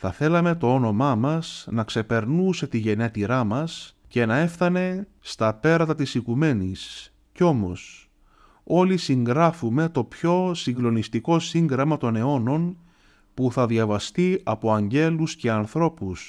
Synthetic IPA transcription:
θɐθe̞lɐme̞t̪o̞o̞no̞mɐmɐsnɐkse̞pe̞ɾnuse̞t̪iʝe̞net̪iɾɐmɐs | ce̞nɐe̞fθɐne̞ | st̪ɐpe̞ɾɐt̪ɐt̪isikume̞nis | ceo̞mo̞̰s | o̞lisiŋɡɾɐfume̞t̪o̞pço̞siŋɡlo̞nist̪iko̞siŋɡɾɐmɐt̪o̞ne̞o̞no̞n | puθɐðjɐvɐst̪iɐpo̞ɐɲɟe̞lusce̞ɐnθɾo̞pus

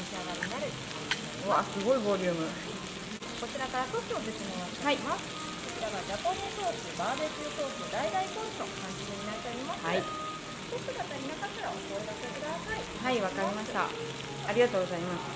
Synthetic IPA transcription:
ɕiaɡamʲinaɾɯ̟ | βasɨɡo̞ibo̞ːɾʲɯːmɯ̟ | ko̞t͡ɕiɾakaɾasot̪ʲoːsesimomahaiḁ | ko̞t͡ɕiɾaβad͡ʑapõ̞ɲ̃esoːsiebaːdesɨɯsoːsɨnod̪aid̪aipõt̪okãɲd͡ʑid̪eɲ̟inaɾit̪aoimasai | t̪osoɡ̪at̪aɲʲinakakaɾaosoed̪asekɯ̟d̪asaihaiβakaɾʲimaɕt̪a̰ | aɾʲiɡat̪oːɡo̞zaimasɨ̥

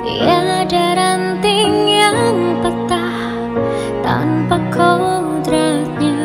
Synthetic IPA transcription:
jad͡ʒaɾant̪iŋjaŋpət̪a | h | t̪a̰npakʰɔ | d̪ɾat̪̚ɲa

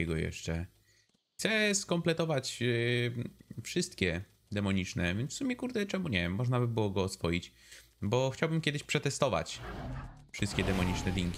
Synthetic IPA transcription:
ɛɡɔjɛ̰ʂt͡ʂɛ | xt̪sɛskɔmplɛt̪ɔvat͡ɕ | fʂɘst̪kʲɛ | d̪ɛmɔɲit͡ʂnɛvʲjɛnfsumʲɛkuɾd̪ɛt͡ʂɛmuɲɛmːɔʐnabɘbɘwɔɡɔːsfɔjit͡ɕ | bɔxt͡ɕawbɘmkʲɛd̪ɘɕpʂɛt̪ɛst̪ɔva̰t͡ɕ | fʂɘst̪kʲɛd̪ɛmɔɲit͡ʂnɛd̪ʲiŋkʲi

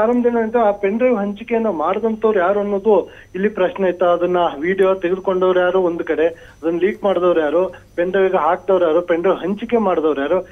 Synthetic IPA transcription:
aːɾɐmbɐd̪ɐneɐnt̪ɐaːpeɳɖɾɐʋɦɐɲt͡ʃikejɐnːɐmaːɽd̪ɐnt̪ɐʋɐɾujaːɾuɐnːoːd̪u | ilːipɾɐʃnejit̪ːɐːd̪ɐnːɐʋiːɽijot̪eɡed̪ko̞ɳɖoːʋɐɾujaːɾuːond̪ukɐɽe̞ | ɐd̪ɐnːɐliːkmaːɽd̪ɐʋɾjaːɾupeɳɖɾɐʋiɡeɦaːk̚d̪ɐʋɾjaːɾupeɳɖɾɐʋɦɐɲt͡ʃikːemaːɽd̪ɐʋɾjaːɾu

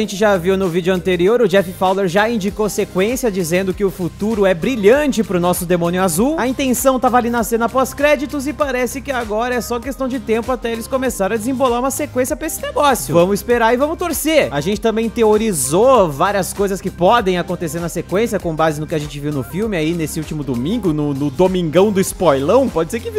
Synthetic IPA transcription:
ʒẽnt͡ʃɪʒaviwnʊvid͡ʒʊɐ̃nt̪eɾioɾʊd͡ʒɛfɪfawleɾʒaĩnd͡ʒikosekwẽsjɐd͡ʒizẽnd̪ʊkɪʊfut̪uɾʊɛbɾiʎɐ̃t͡ʃɪpɾʊnɔsʊd̪emõnjʊazuwɐĩnt̪ẽsɐ̃w̃t̪avɐalinɐsẽnɐpɔskɾɛd͡ʒit̪ʊzɪpaɾɛsɪkɪaɡɔɾɐɛsɔɐkest̪ɐ̃w̃d͡ʒɪt̪ẽmpʊat̪ɛelɪskõmesaɾɐ̃ɐd͡ʒɪzĩbolaɾũmɐsekwẽsjɐpɾɐesɪ̥neɡɔsjʊvɐ̃mʊzɪspeɾaɾɪvɐ̃mʊt̪oɾseaʒẽnt͡ʃɪt̪ɐ̃mbẽj̃t̪eoɾizovaɾiɐskojzɐskɪpɔd̪ẽj̃akõnt̪eseɾnɐsekwẽsjɐkõbazɪnʊkɪaʒẽnt͡ʃɪviwnʊfiwmɪainesɪut͡ʃimʊd̪omĩŋɡʊnʊnʊd̪omĩŋɡɐ̃w̃d̪ʊɪspɔjlɐ̃w̃pɔd͡ʒɪseɾkɪvi

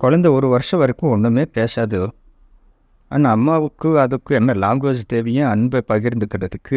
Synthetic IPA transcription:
kɔɻɐnd̪ɐɔɾɯʋɐɾɯʂɐ̃ʋɐɾɐkːʊ̃ɔnːɐmeːpeːsaːðɯ | aːnaɐmːaːʋɯkːɯɐðɯkːɯ̃ɛnːɐlaːmɡoːd͡ʒɐt̪eːʋɐjɐ̃ɐnbɐpɐɣɪɾɯnd̪ɯkːɪɽɐðɯkʰːɯ

